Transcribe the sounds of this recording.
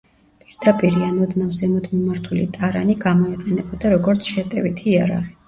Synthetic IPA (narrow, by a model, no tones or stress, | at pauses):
pʼiɾd̪apʼiɾianɔd̪navzɛmɔd̪mɔmaɾt̪ʰulit̪ʼaɾaniɡamɔiqʼɛnɛbɔd̪aɾɔɡɔɾt̪sʰʃɛt̪ʼɛvit̪ʰiːaɾa̰ʁi